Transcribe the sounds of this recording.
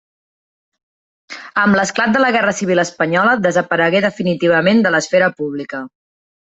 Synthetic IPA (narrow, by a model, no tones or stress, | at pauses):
əmləsklat̪̚d̪ələɣɛrəsiβiləspəɲɔləd̪əzəpəɾəɣeðəfinit̪iβ̞əmend̪ələsfɛɾəpuβ̞likə